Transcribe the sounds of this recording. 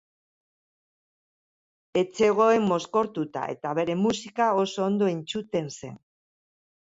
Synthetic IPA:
e̞t͡se̞ɣ̞o̞e̞mːo̞sko̞ɾt̪ut̪a̰e̞̰t̪aβ̞e̞ɾe̞musikao̞so̞ːnd̪o̞int͡sut̪e̞nse̞̰n

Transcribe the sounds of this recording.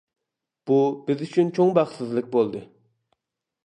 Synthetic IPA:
b̥ubɪzyt͡ʃʰynt͡ʃʰoŋbɑχsɨzlˠɨk̚ʲbolˠd̪ɨ

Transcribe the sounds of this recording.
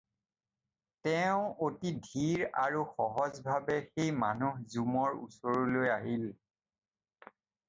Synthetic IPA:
tɛʊ̃otidʱiɹaɹuxɔɦɔzbʱabɛxejmanuhzumɔɹṵsɔɹulojaɦil

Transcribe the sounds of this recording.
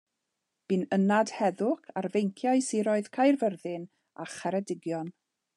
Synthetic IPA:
b̥ɨnənad̥hɛðʊkʰarvejŋkʰjaɨsiɾɔɨð̥kʰajrvərðɪn | aχɛɾɛdɪɡjɔn

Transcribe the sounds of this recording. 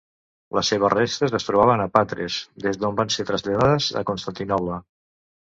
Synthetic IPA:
ləsːeβ̞əzrest̪əzəst̪ɾuβaβənəpat̪ɾḛzd̪ezðombanset̪ɾəzʎaðaðəzə̰konst̪ant̪inɔβlə

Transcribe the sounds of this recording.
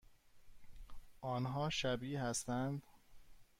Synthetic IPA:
ʔɒːnɦɒːʃæbiːhæst̪ænd̪

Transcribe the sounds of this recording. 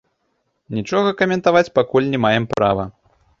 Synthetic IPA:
nʲit͡ʂɔɣɐkɐmʲɛnt̪avat͡sʲpakulʲnʲɛmajɛmpɾavɐ

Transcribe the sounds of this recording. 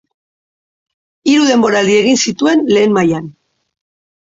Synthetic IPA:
iɾuðe̞mbo̞ɾald̪ie̞ɣinsit̪ue̞nle̞ːnmajan

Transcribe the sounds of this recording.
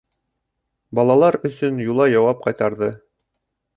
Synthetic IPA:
bɒlˠɑlˠɑɾɵ̆sɵnjulˠɑjɑwɑp̚qɑjt̪ɑɾðɤ

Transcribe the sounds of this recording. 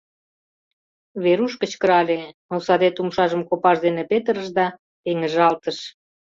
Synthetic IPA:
βeɾuʃkə̆t͡ɕkəɾɑlʲemosɑd̪et̪umʃɑʒəmkopɑʃd̪enepet̪əɾəʃd̪ɑ | t̪eŋəʒɑlt̪əʃ

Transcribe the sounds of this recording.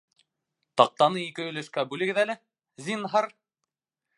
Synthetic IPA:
t̪ɑq̚t̪ɑnɤikɘɵ̆lɘ̆ʃkæbʉlɘ̆ɡɘ̆ðælɘ | zinɦɑɾ

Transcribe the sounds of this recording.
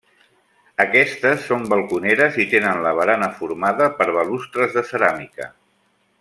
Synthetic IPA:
əkɛst̪əsːombəlˠkuneɾəzit̪enənləβ̞əɾanəfuɾmaðəpəɾβəlust̪ɾəzðəsəɾamikə̰

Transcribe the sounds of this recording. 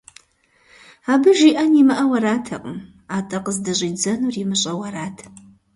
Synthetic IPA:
aːbɨʒiʔɐnimɨʔɐwɐɾaːtʰɐ̰qʼəm | aːtʼɐqəzdɐɕʼiːd͡zɐnurjimɨɕʼɐwɐɾaːtʰ

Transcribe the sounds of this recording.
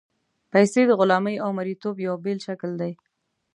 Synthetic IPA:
pajsed̪əɣʊlɑməjawmaɾit̪objawbelʃakld̪aj

